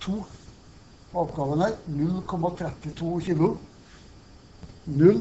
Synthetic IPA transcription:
t̪ʰuː | ɑːʋɡɑːʋənəɾnʉlkʰɔmɑt̪ʰɾɛt̪ːɪt̪ʰuːçiːlʊ | nʉl

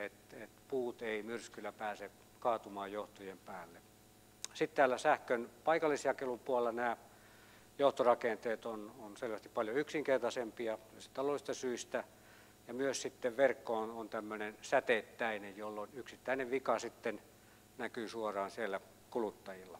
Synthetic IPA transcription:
et̪et̪puːt̪eimyrskylæpæːse | kɑːt̪umɑːjjoht̪ojempæːlːe | sit̪t̪æːlæsæhkønpɑikɑlːisjɑkelumpuɑllːɑnæː | joht̪orɑkent̪eːt̪ononselʋæst̪i̥ppɑljoyksiŋkert̪ɑsempiɑt̪øse̥t̪ɑlolist̪ɑsyist̪æ | jɑmyøssit̪ːeʋʋerkːoːnont̪æmːønensæt̪et̪ːæinejjolːonyksit̪ːæineʋʋikɑsit̪ːen | nækyːsuorɑːnsielːæ | kulut̪ːɑjilːɑ

